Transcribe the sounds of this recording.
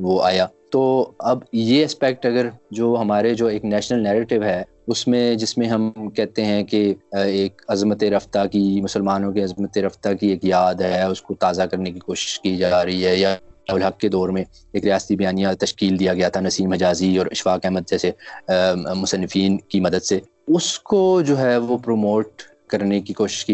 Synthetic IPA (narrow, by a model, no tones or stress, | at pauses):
ʋoaːjaːt̪oːɐbjeɛspɛk̚ʈɐɡəɾd͡ʒoːɦɐmaːɾed͡ʒoːeːknɛːʃnəlnɛːɾeːʈɪʋɦɛ | ʊsmẽd͡ʒɪsmẽɦɐmkɛɦt̪eɦɛ̃keeːkɐzmət̪eɾɐft̪akimʊsəlmaːnõkeɐzmət̪eɾɐft̪akieːkjaːd̪ɦɛʊskot̪aːzakɐɾnekikoːʃɪ̥ʃkid͡ʒaːɾɐɦiɦɛjaaːɦʊlɦɐkːed̪ɔːɾmẽ | eːkɾijaːst̪ibɐjaːnijãt̪ɐʃkiːld̪ijaɡɐjat̪ʰanɐsiːmɦɐd͡ʒaːziɔːɾɐʃfaːkɛːməd̪̚d͡ʒɛːse | mʊsənːɪfiːnkimɐd̪əd̪se | ʊskod͡ʒoːɦɛʋopɾoːmoːʈ̚ | kɐɾnekikoːʃɪ̥ʃki